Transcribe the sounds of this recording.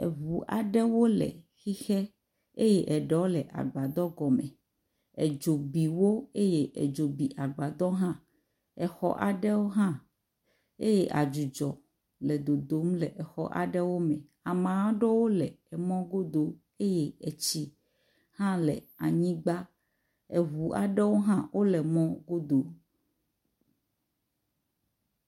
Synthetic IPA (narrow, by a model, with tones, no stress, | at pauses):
ɛ̰˨vu˨ʔa̰˨ɖɛ˦wo˦lɛ̰˨ | xi˦xɛ˦ | e˦je˦ʔɛ˨ɖɛ˨˦wo˦lɛ˨ʔa̰˨ɡ͡ba˨d̪ɔ˦ɡɔ˨mɛ̰̃˨ | ɛ˨d͡ʒo˨bi˨wo˦e˦je˦ʔɛ̰˨d͡ʒo˨bi˨ʔa˨ɡ͡ba˨d̪ɔ˦ɦã˦ | ɛ˨xɔ̰˦ʔa̰˨ɖɛ˦wo˦ɦã˦ | e˦je˦ʔa˨d͡ʒu˨d͡ʒɔ˨ | lɛ˨d̪o˨d̪o˨˦mlɛ˨ʔɛ˨xɔ̰˦ʔa̰˨ɖɛ˦wo˦mɛ̃˨ | a˨mã˨wa˦ɖɔ˦wo˦lɛ̰˨ɛ˨mɔ̃˦ɡo˦d̪o˨ | e˦je˦ɛ˨t͡ɕi˦ | hã˦lɛ̰˨ | a˨ɲĩ˦ɡ͡ba˦ | ɛ˨ɦu˨a̰˨ɖɛ˦wo˦ɦã˦wʔo˦lɛ˨mɔ̃˦ɡo˦d̪o˨